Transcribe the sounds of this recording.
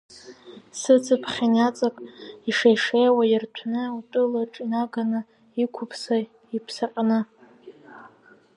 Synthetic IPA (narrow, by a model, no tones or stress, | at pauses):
sɨt͡sʰɨpʰχʲanat͡sʼakʼiʂajʂejwajɪrtʷʰnɨutʼɨlaʈ͡ʂʼinaɡanɨ | ikʷʰʊpʰsa | ipʰsaqʼnɨ